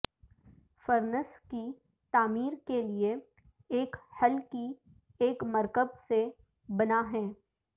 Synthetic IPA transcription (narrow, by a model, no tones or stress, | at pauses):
fəɾnəski | t̪aːmiːɾkelie | eːkhɐlki | eːkmɐɾkəb̚se | bɐnaɦɛː